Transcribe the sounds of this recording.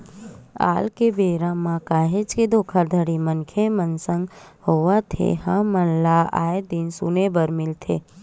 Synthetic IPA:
a̰lkebeɾãmːãkaɦed͡ʒked̪okʰad̪ʱəɽimənkʰemənsəŋɡ | hoʋat̪ʰḛɦãmənlaʔa̰jed̪insunebəɾmilt̪ʰe

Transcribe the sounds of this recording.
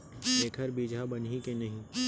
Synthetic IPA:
eːkʰəɾbiːd͡ʒʱabɐnikenɐɦĩ

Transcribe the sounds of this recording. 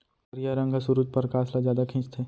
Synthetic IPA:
ɐɾijaɾə̃ŋɡʱasuɾud͡ʒpəɾkaːslazjaːd̪akʰĩt͡ʃt̪ʰɦeː

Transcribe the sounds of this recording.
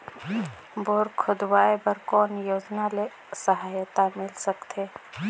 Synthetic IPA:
boːɾkʰʊd̪waːepɐɾkɔːnjoːd͡ʒnale | səɦaːjt̪amɪlsəkt̪ʰeː

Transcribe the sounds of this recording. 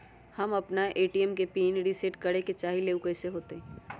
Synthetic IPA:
hɐmɐpnaʔeːʈiɛmkepiːnɖiseʈkɐɽeket͡ʃaːɦileːʊkəseɦoːt̪eɦ

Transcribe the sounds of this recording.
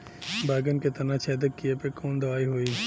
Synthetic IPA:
baːɡənket̪ɐnat͡ʃʰɛːd̪əkkːijepəɾkoːnd̪ɐʋaːiɦoiː

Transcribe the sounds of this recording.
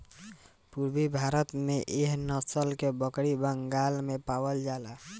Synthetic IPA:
puɾbibʱaɾət̪meʔeɦnəsəlkebəkɽibəŋɡalmepawəld͡ʒala

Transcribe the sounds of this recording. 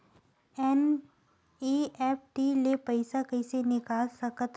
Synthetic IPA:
ɛn | iɛp̚ʰʈilepɐɪsakəɪsenɪkaːlsəkət̪

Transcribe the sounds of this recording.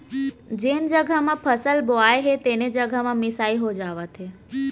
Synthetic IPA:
d͡ʒend͡ʒəɡʱamãpʰəsəlboajɦet̪ened͡ʒəɡʱamãmɪsaiɦod͡ʒaʋat̪ʰe

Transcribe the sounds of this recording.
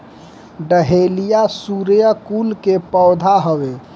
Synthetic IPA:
ɖəɦelijasuɾjəkulkepɔːd̪ʱaɦəʋe

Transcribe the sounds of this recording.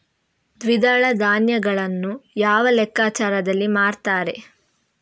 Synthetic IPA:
d̪ʋid̪aːɭɐd̪aːnjɐɡɐɭɐnːujaːʋɐlɛkːaːt͡ʃaːɾɐd̪ɐlːimaːɾt̪aːɾe̞

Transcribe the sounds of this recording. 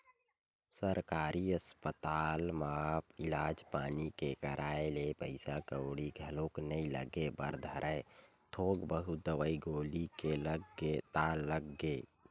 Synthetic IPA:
səɾkaɾiəspət̪almapilad͡ʒpaːnikekəɾʔaelepəɪsakəwɽiɡʱəloknəilə̰ɡebə̰ɾd̪ʱəɾʔəe | t̪ʰoɡbəɦud̪əʋəiɡolikeləɡet̪alːəɡe

